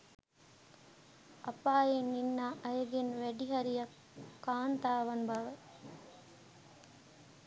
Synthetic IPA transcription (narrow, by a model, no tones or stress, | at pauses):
ɐpaːjenːinːaːʔɐjəɡenʋæɖiɦɐɾijɐkː | aːnt̪aːʋɐnbɐʋə